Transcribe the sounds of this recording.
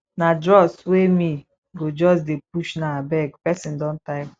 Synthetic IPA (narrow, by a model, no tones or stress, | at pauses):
nadɾɔswemi | ɡod͡ʒɔs̬dep̚uʃnaabɛɡpɛsɪn̩dɔn̩taɪ